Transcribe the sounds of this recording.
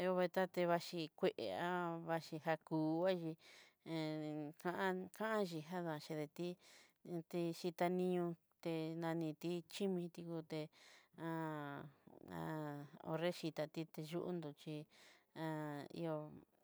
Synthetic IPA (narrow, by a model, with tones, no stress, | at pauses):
i˧o˧βe˧t̪a˦t̪e˧βa˧ʃi˧kʷe˧ʔḛ˧a˦βa˧ʃi˧ɦa˧kuː˨˦a˦ʒĩ˧ | kã˦˧ʔã˦kã˦ʔã˦ʒi˧ɦa˦ðã˧˨˧ʃe˧ðe˧t̪i˦˧ | t̪i˧ʃi˧t̪a˧nĩ˧ɲũ˧ | t̪e˧nã˧nĩ˧t̪i˦t͡ʃi˦mĩ˧t̪i˧ku˧t̪e˧ã˧ | ã̰˧o̰˧re˦ʃi˧t̪a˧t̪i˧t̪e˧ʒu˦ʔṵ˦nd̪u˧t͡ʃi˧ã˧ḭ˧o˧